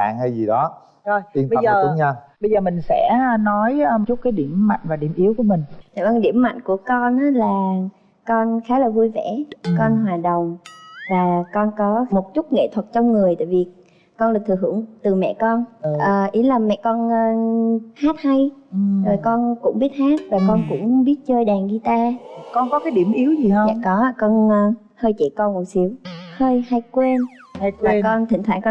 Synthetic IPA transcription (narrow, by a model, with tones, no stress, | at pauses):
a̰ː˧˨ŋhə˧jzi˨˩ɗɔ˨˦ | zo˧ji˧ənfəaː˨˩˦i˨˦ŋə˧˩ɓə˧jzəː˨˩mï˨˩ŋ̟sɛ̰˧˥˧nɔ˨˦jt͡ɕu˦˥t̚kaː˨˦jɗi˧˩əmːa̰˧˨jŋ̟vaː˨˩ɗḭ˧˩əmʔi˨˦əwku˧˩əmï˨˩ŋ̟aː˨˧˨mə˨˩ɗi˧˩əmːa̰˧˨jŋku˧˩əkɔ˧nʔaː˨˦laː˨˩ | kɔ˧nxaː˨˦laː˨˩vu˧jvɛ̰˧˩kɔ˧nɦwaː˨˩ɗə˨˩wŋ͡mvaː˨˩kɔ˧nkɔ˨˦mo˨˩t̚t͡ɕʊ˦˥t̚ŋḛ˧˨t̪ʰwə˨˩t̚t͡ɕɔ˧wŋ͡mŋɨ˨˩əjt̪a̰ː˧˨vi˨˩ | kɔ˧nlaː˨˩t̪ʰɨ˨˩ɦɨ̰˧˩əŋt̪ɨ˨˩mɛ̰˧˨kɔ˧nʔəː˨˩ʔi˨˦laː˨˩mɛ̰˧˨kɔ˧nː˧haː˦˥t̚ha˧jzo˨˩jkɔ˧nkʊ̰˧˥ŋ͡mɓi˦˥ət̚haː˦˥t̚vaː˨˩kɔ˧nkʊ̰˧˥ŋ͡mɓi˦˥t̚t͡ɕəː˧jɗaː˨˩ŋɗi˧t̪aː˧kɔ˧nkɔ˨˦kaː˨˦jɗi˧˩əmʔi˨˦əwzi˨˩hə˧w̰kɔ˨˦˧kɔ˧nː˧ | həː˧jt͡ɕḛ˧˩kɔ˧nmo˨˩t̚si˨˦əwhəː˧jha˧jkwe˧nvaː˨˩kɔ˧nt̪ʰï˧˩ŋt̪ʰwaː˧˩ŋkɔ˧